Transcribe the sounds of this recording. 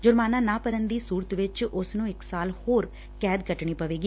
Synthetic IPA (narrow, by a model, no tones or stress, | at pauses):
d͡ʒʊɾmaːnaːnaːpəɾənd̪iːsuːɾət̪ʋɪt͡ʃʊsnũːɪksaːlhoːɾ | kɛːd̪ɡəʈɳ̃iːpəʋeːɡiː